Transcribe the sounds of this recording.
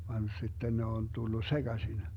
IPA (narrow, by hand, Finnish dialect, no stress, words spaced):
ʋɑn si̯tːen ne on tulːu seɡ̊ɑsin